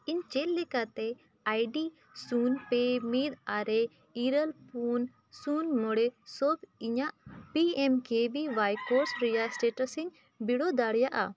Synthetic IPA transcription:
iɲt͡ʃɛlːɛkat̪ɛ | ajɖi | sunpemed̪aɾɛ | iɾəlpun | sunmɔɽɛsɔbiɲaʔpiɛmkebibajkɔɾsɾɛjasʈɛʈəsiɲ | biɽɔd̪aɽjaʔa̰

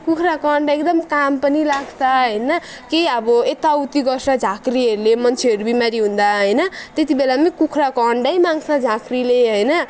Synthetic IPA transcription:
kukʰrakʌɳɖekd̪ʌmkampʌnilaɡt͡sʰaɦʌjnʌ | kejʌbʌet̪awt̪iɡʌrsad͡zʱakriʌɾulemʌnt͡sʰeʌɾubimaɾiɦũnd̪aɦʌjnʌt̪et̪̬ibelamekukʰrakʌɳɖʌjmaŋsʰad͡zʱakrileɦʌjnʌ

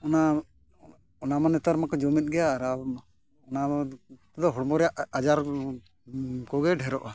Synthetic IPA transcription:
ɔna | ɔnamanɛt̪aɾmakɔd͡ʒɔmit̪̚ˀɡɛjaːɾa | ɔnat̪ɛd̪ɔɦɔɽmɔɾɛjaʔad͡ʒaɾ | kɔɡɛɖʱɛɾɔʔa

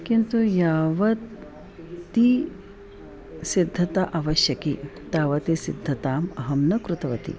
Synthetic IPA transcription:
kint̪ujaːʋɐt̪ | t̪i | sid̪ʱːɐt̪aʔaːʋɐʃjɐkit̪aːʋɐt̪isid̪ʱːɐt̪aːmɐɦɐmnɐkɾut̪ɐʋɐt̪ḭ

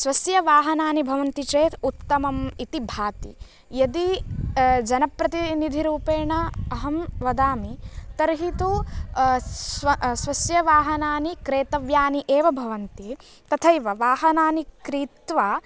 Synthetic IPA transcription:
sʋɐsjɐʋaːɦɐnaːnibʱɐʋɐnt̪it͡ʃeːt̪ʰut̪ːɐmɐmit̪ibʱaːt̪ḭ | jɐd̪i | d͡ʒɐnɐpɾɐt̪inid̪ʱiɾuːpeːɳɐɐɦɐmʋɐd̪aːmit̪ɐɾɦit̪u | ɐsʋɐsjɐʋaːɦɐnaːnikɾeːt̪ɐʋjaːniʔeːʋɐbʱɐʋɐnt̪i | t̪ɐt̪ʰɐjʋɐʋaːɦɐnaːnikɾiːt̪ʋaː

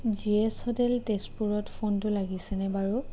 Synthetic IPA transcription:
ziɛshɔtɛltespuɹɔtpʰontʊlaɡisɛnɛbaɹu

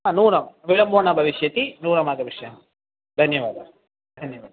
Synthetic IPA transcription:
aːnuːrɐmʋilɐmboːɳːɐbʱɐʋiʂjɐt̪ːinuːrɐmaːɡɐʋiʂjɐ | d̪ʱɐnjɐʋaːd̪ɐ | d̪ʱɐnjɐʋaːd̪ɐ

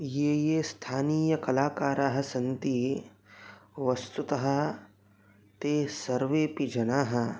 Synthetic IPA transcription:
jeːjeːst̪ʰaːniːjɐkɐlaːkaːɾaːɦɐ̆sɐnt̪i | ʋɐst̪ut̪ɐɦɐ̆ | t̪eːsɐɾʋeːpid͡ʒɐnaːɦɐ̆

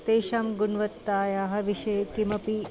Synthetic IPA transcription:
t̪eːʃaːmɡunʋɐt̪ːaːjaːɦɐʋiʃejkimɐpi

